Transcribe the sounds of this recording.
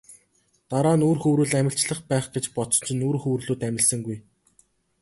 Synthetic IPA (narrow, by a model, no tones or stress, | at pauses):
t̪aɾaːnuːrxɵwɾuːɮæmʲɪ̆ɬt͡ɕɮə̆χpæːχɡet͡ɕpɔtt͡s̪ɞ̥̆t͡ɕʰɪ̆nuːrxɵwrɮuːt̪æmʲɪ̆ɮsə̆ŋɡuj